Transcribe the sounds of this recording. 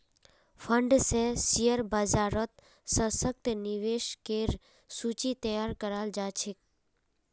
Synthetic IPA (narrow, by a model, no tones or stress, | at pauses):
fʰəɳɖsesijəɾbəd͡ʒaːɾət̪ | sə̃sək̚t̪niʋeːʃkeɾ | suːt͡ʃit̪əjaːɾkəɾaːld͡ʒaːt͡ʃʰek